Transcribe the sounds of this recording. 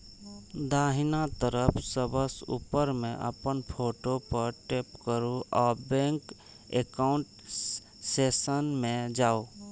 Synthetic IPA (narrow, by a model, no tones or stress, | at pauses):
d̪aːɦɪnat̪əɾəpʰsəbəsṵpəɾmẽʔə̰pənpʰoːʈopəɾʈepkəɾuʔɔːɾbẽːŋk | ekaʊɳʈ | seːsənmẽd͡ʒaːo